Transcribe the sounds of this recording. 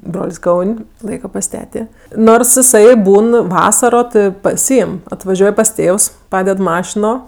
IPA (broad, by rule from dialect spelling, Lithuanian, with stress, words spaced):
ˈbroːlʲsʲ ˈkɐʊnʲ ˈlˠɐɪkɐ pɐs ˈtʲæːtʲeː ˈnoːrs ɪˈsɐɪ ˈbuːn ˈʋɑːsɐroː ˈtɜ pɐˈsʲiːɪm ɐtʋɐˈʒʲuɔj pɐs ˈtʲeːws ˈpɑːdʲɛt ˈmɑːʃʲɪnoː